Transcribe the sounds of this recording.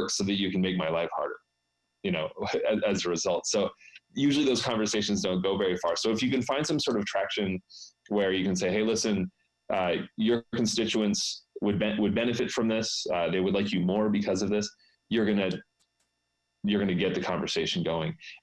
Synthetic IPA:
ksoʊðɨt͡ʃɨkn̩meɪk̚maɪlaɪfhɑ̰ɹɾə̰˞ | jɨñoʊɨɨzɨɹɨzʌlˠtsoʊjʉʒl̩ˠiðoʊz̥kʰɑ̃ɱvə˞seɪʃn̩zdõʊ̃n̚ɡ̥oʊvɛɹifɑɹsoʊəfjɨkɨ̃nfãɪ̃nd̥sʌ̃msɔɹɾʌv̥tʰɹ̥ækʃɨ̃nwə˞jɨkɨ̃nseɪɦeɪlɪsɨ̃n | ʔʌjə˞kn̩stɪt͡ʃʉɨ̃ntswəd̚bɛwɨd̚bɛnɨfɨtfɹʌ̃mðɪsʌðeɪwədˡlaɪkjɨmɔɹbɨkʰʌzʌvðɪs | jə˞ɡʌnɨ | jə˞ɡʌnɨɡɛt̪̚ðɨkʰɑ̃ɱvə˞seɪʃn̩ɡoʊɪ̃ŋ

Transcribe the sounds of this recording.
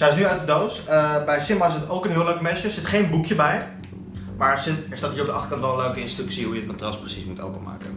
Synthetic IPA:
sɛsnyœɥtdədowsəbɛjsɪmaɪsətowkənɦɪːløɥkmɛʃəsɪtχejnbukjəbɛj | maːsɪtɪsdɑtɦiːrɔp̚dəɑχtə̥rkɑntʋɛlˠə̃nløɥkəɪnstrʉksiɦujəətmatrɑsprəsismuto̰wpəma̰ːkən

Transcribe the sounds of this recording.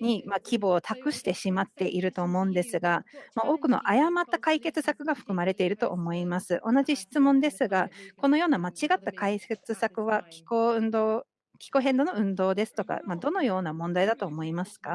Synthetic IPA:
ɲ̟imakʲibo̞ːt̪ʰakɯ̟ɕi̥t̪e̞ɕimat̪ːe̞ʔiɾɯ̟t̪o̞ːmo̞ɯ̟̃nd̪e̞sɨɡamaʔo̞ːkɯ̟no̞̰ʔajamat̪ːakaike̞t͡sɨsakɯ̟ɡaɸɯ̥kɯ̟maɾe̞t̪e̞iɾɯ̟t̪o̞̰ʔːmo̞imasɨʔo̞naʑiɕi̥t͡sɨmõ̞nd̪e̞sɨɡako̞no̞jo̞ːnamat͡ɕiɡat̪ːakaiset͡sɨsakɯ̟βakʲi̥koɯ̟nd̪oː | kʲi̥ko̞ɦẽ̞nd̪o̞no̞ɯ̟̃nd̪o̞ːd̪e̞sɨ̥t̪o̞ka̰mad̪o̞no̞jo̞ːnamõ̞nd̪aid̪at̪o̞ːmo̞imasɨ̥ka

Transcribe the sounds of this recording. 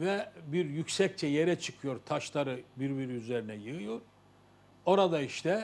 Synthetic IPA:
vɛbiɾjycʲsɛc̚t͡ʃʰɛjeɾɛt͡ʃʰɯ̥kʰɯjo̞ɾt̪ʰaʃlˠaɾɯbiɾbiɾiyzeɾinɛjɯɯjo̞ɾ̥ | o̞ɾad̪aiʃt̪ʰɛ

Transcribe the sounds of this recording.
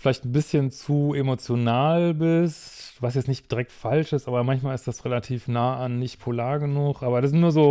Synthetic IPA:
fɪlaɪçtn̩bɪsçənt͡suemot͡sjonaːlbɪstːvasjɛt͡snɪçtd̥iʁɛk̚tfalʃɪstʔaːbɐmançmaːlɪstd̥asʁelatʰiːfnaːanːɪçtpʰolaːɐɡənuxʔaːbɐdasɪstnuːɐzoː

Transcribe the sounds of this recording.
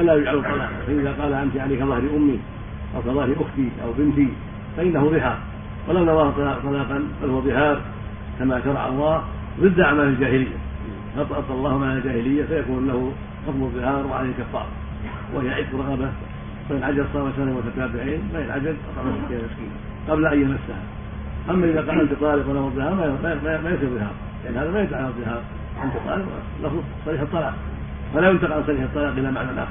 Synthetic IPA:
ʔalaːjʊd͡ʒʕalʊt̪ˤːɑlɑ̰ːqɑ̰faʔɪðaqɑːlaʔamt̪iʕalaːkaðˤɑhɾiʔʊmːi | ʔawkaðˤɑhɾiʔʊxt̪iʔa̰wbɪnt̪i | faʔɪnːahʊðˤɨhɑːɾˤ | walawnawaːht̪ˤːt̪ˤːɑlɑːqɑnbalhʊwaðˤɨhɑːɾˤ | kamaʃɑɾˤɑʕʔa̰lˤːɑːh | ðˤɨd̪ːʔaʕmaːlald͡ʒaːhɪlɪjːa̰ | hɑt̪ˤʔɑt̪ˤɑlˤːɑːhmaʕald͡ʒaːhɪlɪjːafajakuːnlahʊ | kɑsˤmʊðˤːɨhɑːɾˤwɪʕa̰ajhɪlkafːɑ̰ːɾˤɑ̰ | wʔɪhjaʕɪːd̪ɾˤɑɣɑba | waɪlʕad͡ʒalsˤɑːmaʃaɪmʊt̪at̪aːbɪʕiːnmaɪlʕa̰d͡ʒalʔɑ̰t̪ˤɑʕmasɪkiːhamɪskḭːna | qɑblaʔajjamasːaha | ʔamːaʔɪðaqɑʔalt̪t̪ˤɑːlɪqwalamɨðˤːɨhɑːɾˤmmammajɑs̬ˤiɾðˤːɨhɑ̰ːɾˤ | lɪʔanːhaːðamajɪt̪ʕalðˤːɨhɑːɾˤ | ʔalt̪t̪ˤɑ̰ːlɪq | lʔɑfð | sˤɑɾiːħɑt̪ˤːɑlɑ̰ːq̚ | falajʊnt̪aqalsˤɑɾiːħɨt̪ˤːɑlɑːqʔɪlːamaʕnalʔa̰ːx

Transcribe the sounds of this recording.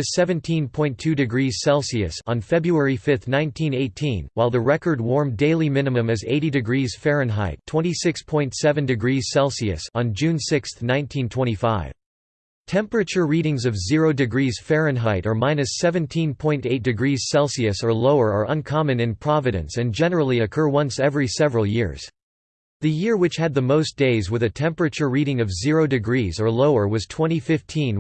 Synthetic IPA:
ɨssɛvɨ̃ntʰĩnpʰɔ̃ɪ̃ntʰʉdɨɡɹiz̥sɛlˠsiɨ̰sn̩fɛbɹuɛɹifɪθnãɪ̃ntʰĩneɪtʰĩnwaɪlˠðɨɹɛkə˞d̚wɔɹmdeɪlˠimɪ̃nɨmɨ̃mɨzḛɪɾidɨɡɹiz̥fɛɹɨ̃nɦa̰ɪtʰw̥ɛ̃ñisɪkspʰɔ̃ɪ̃ntsɛvɨ̃ndɨɡɹiz̥sɛlˠsiɨ̰sn̩d͡ʒʉ̃nsɪksθnãɪ̃ntʰĩntʰw̥ɛ̃ɾ̃ifaɪv̥ | tʰɛ̃mpə˞ɨt͡ʃə˞ɹiɾɪ̃ŋzʌvzɪɹoʊdɨɡɹiz̥fɛɹɨ̃nɦaɪɾə˞mãɪ̃nɨsɛvɨ̃ntʰĩnpʰɔ̃ɪ̃nteɪt̚d̥ɨɡɹiz̥sɛlˠsiɨsə˞loʊə˞ə˞ʔə̃nkʰɑmɨ̃nɨ̃npʰɹ̥ɑvɨɾɨ̰̃nsɨ̃nd͡ʒɛnə˞l̩ˠiɨkʰɜ˞wʌ̃nsɛvɹisɛvɹl̩ˠjɪ̰ɹz̥ | ðɨjɪɹwɨt͡ʃhɨd̪̚ðəmoʊsd̥eɪzwɨðɨtʰɛ̃mpɨt͡ʃə˞ɹiɾɪ̃ŋʌvzɪɹoʊdɨɡɹizə˞loʊə˞wʌz̥tʰw̥ɛ̃ɾ̃ifɪftʰĩn

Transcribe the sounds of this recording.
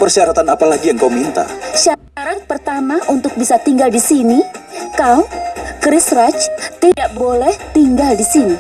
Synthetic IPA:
pərsiaɾat̪anapalaɡijaŋkaumint̪a̰ʃa | aɾaŋpərt̪amaʔunt̪ʊk̚bisat̪iŋɡaldisinikawkɾɪsrat͡ʃt̪idaʔbolɛht̪iŋɡaldisini

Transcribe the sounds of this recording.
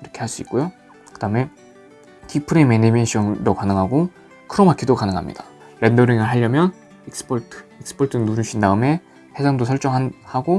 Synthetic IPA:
iɾʌkʰe̞haɭs͈uik͈ojo | kɯd̥aɯme̞ | tʰipʰɯɾemenimeɕʰʌŋdokanɯŋɦaɡo | kɯɾʌmakʰidokanɯŋɦa̰mɲḭd̥ḁ | ɾendʌɾiŋɯɭɦaʎːjʌmjʌn | iks͈ɯ̥pʰʌɭtʰɯ̥ik̚s͈ɯ̥pʰʌɭtʰɯnuɾɯɕʰindaɯme̞ | he̞sʰaŋdosʰʌɭt͡ɕ͈ʌŋɦanhaɡo

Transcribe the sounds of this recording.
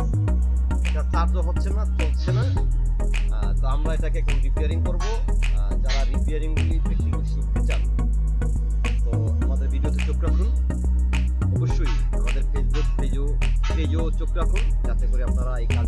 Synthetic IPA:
d͡ʑat͡ɕaɾʈd͡ʑoɦotːʰenat̪ɦotːɕʰena | ɡɾamlajt̪ʰakeɛkʰomɾipiaɾiŋkoɾbo | d͡ʑaɾaɾipiaɾiŋoibekioʃukt̪et͡ɕan | t̪o | amad̪eɾbiɖiot̪et͡ɕokɾakʰun | ɔboʃːoi | amad̪eɾfesbukped͡ʑo | ped͡ʑot͡ɕokɾakʰun | d͡ʑat̪ekoɾeap̚naɾaejka

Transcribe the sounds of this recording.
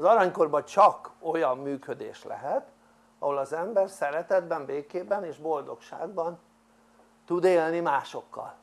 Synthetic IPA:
ɒzɒɾɒɲko̞rbɒt͡ʃɒko̞jɒmːyːkø̞d̪ḛːʃlɛ̰ɦɛt̪ | ɒɦo̞lɒzɛmbɛrsɛɾɛt̪ɛd̪bɛmbeːkeːbɛneːʒbo̞ld̪o̞kʃa̰ːɡ̚bɒn | t̪ud̪eːlnimaːʃo̞kːɒ̰l

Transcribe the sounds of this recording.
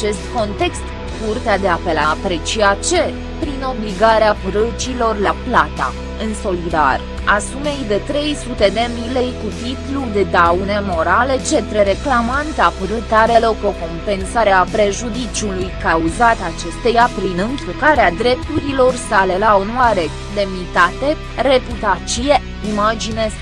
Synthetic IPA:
at͡ʃe̞st̪ko̞nt̪e̞kst̪ | kurt̪ead̪e̞ape̞laːpɾe̞t͡ʃiat͡ʃe̞ | pɾino̞bliɡaɾeapɾət͡ʃilo̞rlaplat̪a̰ | ɨnso̞lid̪a̰r | asume̞jd̪e̞t̪ɾe̞jsut̪e̞d̪e̞mile̞jkut̪it̪lud̪e̞d̪awne̞mo̞ɾale̞t͡ʃe̞t̪ɾeɾe̞klamant̪apəɾət̪aɾe̞loko̞ko̞mpe̞nsaɾeapɾe̞ʒud̪it͡ʃulujkauzat̪at͡ʃe̞st̪ejapɾinɨŋkilkaɾead̪ɾe̞p̚t̪uɾilo̞rsale̞laonoaɾe | d̪e̞mnit̪at̪e̞ | re̞put̪at̪t͡ʃije̞ | imad͡ʒine

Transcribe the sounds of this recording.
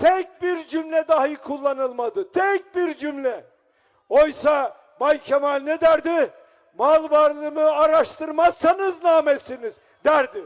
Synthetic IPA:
t̪ʰɛc̚biɾd͡ʒymlʲɛd̪aɦijkʰulˠːanɯlˠmad̪ɯt̪ʰɛc̚biɾd͡ʒymlʲɛ | ojsa | balʲcʰemalʲnɛd̪æɾd̪ɪ | malˠbaɾlˠɯmɯaɾaʃt̪ʰɯɾmazsanɯznaːmesiniz | d̪æɾd̪i

